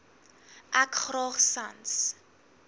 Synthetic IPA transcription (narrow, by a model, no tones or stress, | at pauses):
ʔækχrɑːχsans